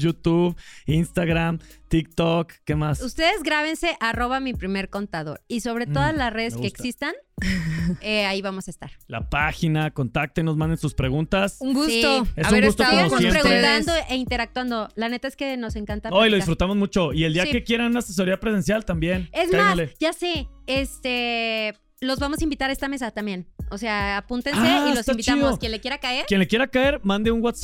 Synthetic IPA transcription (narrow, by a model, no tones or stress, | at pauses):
jut̪uβinst̪aɣɾamt̪ik̚t̪okːemasust̪e̞ðe̞zɣɾaβ̞e̞nse̞ʔaro̞βamipɾime̞ɾko̞nt̪aðo̞̰ɾiso̞βɾe̞tt̪o̞ðazlasre̞ðeskkeeksist̪an | eaiβamo̞saest̪aɾla̰paxinako̞nt̪ak̚t̪enozmãnd̪ensuspɾe̞ɣunt̪asuŋɡust̪oesuɡust̪oenosjeɾeɣut̪and̪oʔeint̪e̞ɾak̚t̪wand̪olane̞t̪aeske̞no̞se̞ŋkant̪aojiloðifɾut̪amo̞zmut͡ʃo̞ield̪iakekje̞ɾanunases̬o̞ɾiapɾes̬e̞nsjalt̪ambje̞nezaaaleɟ͡ʝaseest̪e | lo̞zβamo̞saimbit̪aɾaest̪ame̞s̬at̪ambje̞nose̞aːpunt̪enaseilost̪ambitt͡ʃt̪aiðokjenlekjeɾakaeɾkjenlekje̞ɾakae̞ɾmãnd̪euŋwat̪s